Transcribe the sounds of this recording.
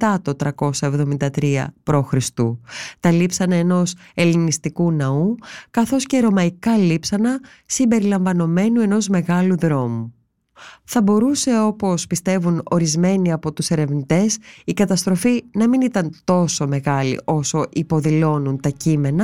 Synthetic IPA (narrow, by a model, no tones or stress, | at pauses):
ɐt̪o̞t̪ɾɐko̞sɐevðo̞mind̪ɐt̪ɾiɐ̰pɾoxɾist̪ut̪ɐlipsɐnɐeno̞se̞linist̪ikunɐukɐθo̞sceɾo̞mɐikɐlipsɐnɐ | simbe̞ɾilɐɱvɐno̞me̞nue̞no̞zme̞ɣɐluðɾo̞mu | θɐbo̞ɾuse̞o̞po̞spist̪e̞vuno̞̰ɾizme̞niɐpo̞t̪use̞ɾe̞vnit̪e̞sikɐt̪ɐst̪ɾo̞finɐminit̪ɐnt̪o̞so̞me̞ɣɐlḭʔo̞so̞ʔipo̞ðilo̞nunt̪ɐcime̞nɐ